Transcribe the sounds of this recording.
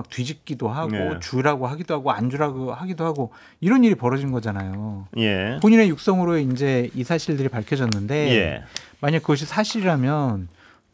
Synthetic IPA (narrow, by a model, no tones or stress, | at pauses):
k̚tɥid͡ʑik̚k͈idoɦaɡot͡ɕuɾaɡoɦaɡidoɦaɡoand͡ʑuɾaɡohaɡidohaɡo | iɾʌniɾipʌɾʌd͡ʑinɡʌd͡ʑanajojepoɲine̞juk̚s͈ʌŋɯɾoind͡ʑe̞isʰaɕʰiɭdɯɾipaɭkʰjʌd͡ʑʌnːɯnde̞jḛmaɲakːɯɡʌɕ̬ʰisʰaɕʰiɾiɾamjʌn